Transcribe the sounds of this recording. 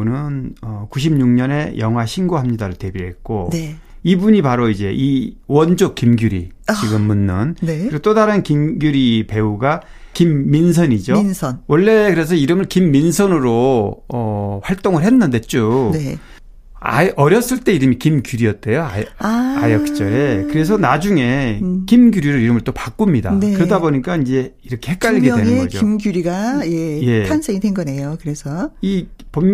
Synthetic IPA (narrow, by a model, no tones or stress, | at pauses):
onɯnʌkuɕ̬ʰimɲuŋɲʌne̞jʌŋɦwaɕʰinɡoɦamɲidaɾoɭte̞biɭɦe̞t̚k͈one | ibuɲipaɾoid͡ʑe̞ʔiwʌnd͡ʑok̚k͈imɡjuɾḭ | t͡ɕiɡɯmːunːɯneɾiɡot͈odaɾɯnkimɡjuɾipe̞uɡa | kimːins̬ʰʌnid͡ʑonsʰʌnwʌɭːe̞kɯɾe̞s̬ʰʌiɾɯmɯɭkimːinsʰʌnɯɾoʌɸwaɭt͈oŋɯɭɦhe̞nːɯnde̞t͡ɕ͈une | a̰ʔʌɾjʌs͈ɯɭt͈e̞iɾɯmikimɡjuɾiʌt̚t͈e̞joa̰jaajʌk̚t͡ɕ͈ʌɾekɯɾe̞s̬ʰʌnad͡ʑuŋe̞kimɡjuɾiɾɯɾiɾɯmɯɭt͈opak͈umɲida̰nekɯɾʌdaboɲik͈aind͡ʑe̞iɾʌkʰe̞hek͈aʎɡewenenɡʌd͡ʑo̰imɡjuɾiɡajeje̞pʰansʰeŋidenɡʌne̞jokɯɾe̞sʰʌipom